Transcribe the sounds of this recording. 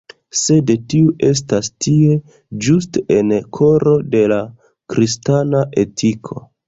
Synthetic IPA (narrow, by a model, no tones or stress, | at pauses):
sedtiuʔe̞s̬tastie̞ | d͡ʒustenkʰo̞ɾo̞de̞la | kɾistanaʔe̞tʰikʰo̞̰